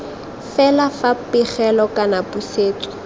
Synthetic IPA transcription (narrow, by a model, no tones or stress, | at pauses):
fɛlafapɪχɛlɔkʼanapuseːt͡sʼɔ̥